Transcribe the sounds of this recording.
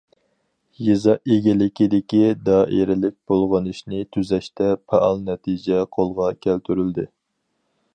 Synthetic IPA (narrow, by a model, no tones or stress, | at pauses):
jezɑʔeɡʲilɪkʲid̪ɪkʲid̪ɑːʔeɾɪlɪk̚ʲb̥olˠʁɑnɨʃnɪt̪ʰyzɛʃt̪ɛpʰɛʔɑlˠnɛt̪ʰid͡ʒɛqʰolˠʁɑkʲʰælt̪ʰyɾyld̪ɪ